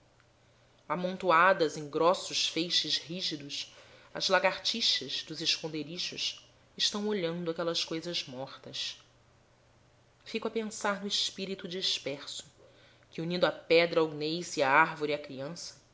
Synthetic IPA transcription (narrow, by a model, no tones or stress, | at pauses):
amõnt̪uad̪ɐzẽj̃ɡɾɔsʊʃfejʃɪzhiʒid̪ʊʃɐ̰zlaɡaɾt͡ʃiʃɐzd̪ʊzɪʃkõnd̪eɾiʃʊ̰ʃ | ɪʃt̪ɐ̃w̃oʎɐ̃nd̪ʊakɛlɐskojzɐzmɔχt̪ɐs | fikʊɐpẽsaɾnʊɪʃpiɾit̪ud͡ʒiʃpɛχsʊ̥ | kɪunĩnd̪ʊapɛd̪ɾɐoɡnejsɪaaɾvoɾiɐkɾiɐ̃sɐ̥